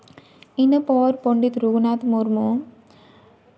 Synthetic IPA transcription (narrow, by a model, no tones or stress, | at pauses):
inːɐpoːɾpoɳɖit̪ɾuɣunaːt̪muɾmu